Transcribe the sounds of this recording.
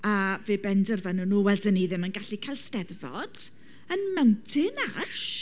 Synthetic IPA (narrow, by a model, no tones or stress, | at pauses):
aveːbɛndərvənunuːwɛldəniðɪmənɡaɬikʰajlˠstɛdvɔ̰d̥ | ənmɛwntʰɪnaʃ